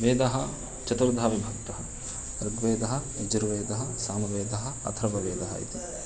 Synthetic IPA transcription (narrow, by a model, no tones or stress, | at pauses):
ʋeːd̪ɐɦɐ | t͡ʃɐt̪uɾd̪ʱaːʋibʱɐk̚t̪ɐɦɐ | ɾɐɡʋeːd̪ɐɦɐ̆ | id͡ʒɐɾʋeːd̪ɐɦɐsaːnɐʋeːd̪ɐɦɐ̆ɐ̰t̪ʰɾɐʋɐʋeːd̪ɐɦɐ̰ḭt̪i